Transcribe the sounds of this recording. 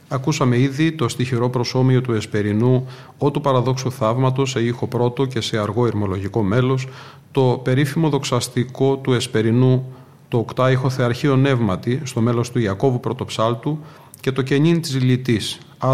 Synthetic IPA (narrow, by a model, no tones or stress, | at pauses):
ɐkusɐme̞iðit̪o̞st̪içiɾo̞pɾo̞so̞mio̞t̪ue̞spe̞ɾinu | o̞t̪upɐɾɐðo̞ksuθɐvmɐt̪o̞seixo̞pɾo̞t̪o̞ce̞se̞ɐɾɣo̞iɾmo̞lo̞ʝiko̞me̞lo̞s | t̪o̞pe̞ɾifimo̞ðo̞ksɐst̪iko̞t̪ue̞spe̞ɾinu | t̪oːkt̪ɐixo̞θe̞ɐɾçio̞ne̞vmɐt̪ist̪o̞me̞lo̞st̪uiɐko̞vupɾo̞t̪o̞psɐlt̪u | ce̞t̪o̞ce̞ɲint̪isilit̪is | ɐ